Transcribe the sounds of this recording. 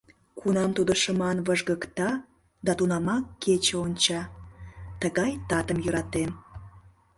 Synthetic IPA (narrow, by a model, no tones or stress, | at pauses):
kʰunɑmt̪ud̪əʃəmɑnvəʒɣəkt̪ɑ | d̪ɑt̪unɑmɑkːet͡ɕəonʲt͡ɕɑ | t̪əɣɑjt̪ɑt̪əmjøɾɑt̪em